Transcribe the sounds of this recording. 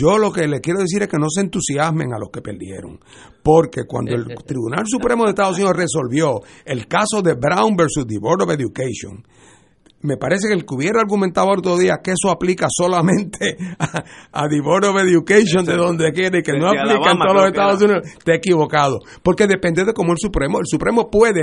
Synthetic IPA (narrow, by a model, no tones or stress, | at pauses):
d͡ʒo̞lo̞ke̞le̞kje̞ɾoð̞es̬iɾeskeno̞s̬ent̪usjasmẽ̞̰ŋa̰lo̞ske̞pe̞̰ɾd̪je̞̰ɾo̰ŋ | po̞ɾke̞kwa̰nd̪oe̞lt̪ɾiβunals̬upɾe̞moðest̪aðosuniðore̞so̞lβjo̞elkaso̞ðe̞bɾawmbeɾsusd̪iβoɾoβeðjukejsjo̰ŋ | me̞paɾe̞se̞kelkuβje̞ɾaaɾɣument̪aðojɾot̪ɾoðiakeesoaplikaso̞lamẽ̞nt̪ʰeaaðiβoɾoβeðjukejsjond̪eðõ̞nd̪ekje̞ɾeikenoaplikant̪oolosest̪aðos̬uniðot̪eekiβo̞kaðo̞ | po̞ɾke̞ðe̞pe̞nd̪eðe̞ko̞moelsupɾe̞moelsupɾe̞mo̞pwe̞ðe